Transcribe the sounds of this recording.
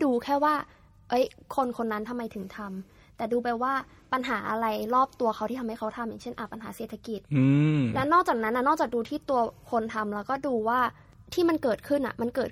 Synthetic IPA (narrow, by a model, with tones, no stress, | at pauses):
duː˧kʰɛː˥˩waː˥˩ | ʔɤ˦˥jkʰo˧nkʰo˧nːa˦˥nt̪ʰa˧mːa˧jt̪ʰɯ˨˩˦ŋt̪ʰa˧m | t̪ɛː˨˩duː˧ba˧jwaː˥˩ | pa˧nɦaː˩˦ʔa˧ɾa˧jɾɔː˥˩p̚t̪u˧ɐxʰa˦˥wt̪i˥˩tʰa˧mha˥˩kʰa˦˥wt̪ʰa˧mjaː˨˩ŋt͡ɕʰe˥˩nʔaː˨˩pa˧nɦaː˩˦seː˨˩t̪ʰːa˧ki˨˩t̪̚ːlɛ˦˥wnɔː˥˩k̚t͡ɕaː˨˩k̚na˦˥nːʔa˨˩nɔː˥˩kt͡ɕaː˨˩k̚duː˧t̪ʰiː˥˩t̪u˧ɐkʰo˧nt̪ʰa˧mlɛː˦˥wkɔː˥˩duː˧waː˥˩ | t̪ʰiː˥˩ma˧nkɤː˨˩t̪̚kʰɯ˥˩nʔa̰˨˩ʔma˧nkɤː˨˩t̪̚